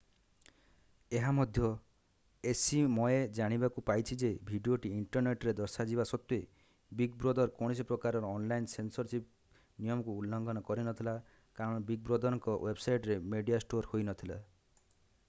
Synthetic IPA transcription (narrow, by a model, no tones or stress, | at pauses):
eɦamɔd̪ʱjɔ | esimɔed͡ʒaɽ̃ibakupajt͡ʃʰid͡ʒebʱiɖioʈiiɳʈɔɾneʈɾed̪ɔɾsad͡ʒibasɔt̪ːue | biɡbɾɔd̪ɔɾkɔɽ̃isipɾɔkaɾɔɾɔːnlainsensɔɾsip | nijɔmɔkuːlːɔŋɡɔnɔkɔɾinɔt̪ʰila | kaɾɔɽ̃ɔbiɡ̚bɾod̪ɔɾɔŋkɔwebsajʈɾemeɖijasʈoɾhojnɔt̪ʰila̰